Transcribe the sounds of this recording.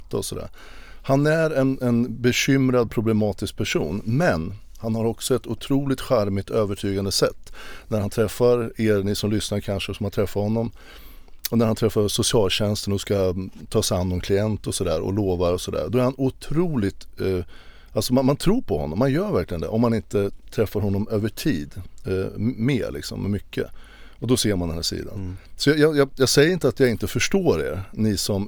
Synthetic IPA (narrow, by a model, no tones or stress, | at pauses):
t̪ːɔsɔd̪æ̰ːɾ | hanæɾɛnɛnbɛɕʏmɾad̪̚pʰɾʊblɛmɑːt̪ɪsk̚pʰæʂṵːnmɛn | hanhaɾɔksɔɛt̪ʊt̪ʰɾuːlɪt̪ɧaɾmɪt̪øːvəʈʰyːɡand̪əsɛt̪ːnæɾhant̪ʰɾɛfːaɾeːɾnɪsɔmlʏsnaɾkʰanʂəsɔmhat̪ʰɾɛfːaɾhɔnːɔm | ɔnæɾhant̪ʰɾɛfːaɾʂʊsɪɑːlɕɛnst̪ənɔskat̪ʰɑːsanːɔmkʰlɪɛnt̪ɔsɔd̪æ̰ːɾɔ̰loːvaɾɔsɔd̪æ̰ːɾd̪ɔæɾhanʊt̪ʰɾuːlɪt̪ | ʔalsɔmanmant̪ʰɾuːɾpʰɔhɔ̰nːɔmːanjœːɾvæɾklɪɡənd̪ɛʔɔmːanɪnt̪ət̪ʰɾɛfːaɾɦɔnːɔmøːvəʈʰiːd̪ | mḛːɾlʔɪ̰ksɔ̰mːɛmʏkʰːə̰ | ɔd̪ɔseːɾmand̪ɛnæːʂḭːd̪a̰nsɔjɑjɑjɑjɑːɡsɛjːəɾɪnt̪əat̪jɑːɡɪnt̪əfœʂʈoːɾḛːɾnɪsɔm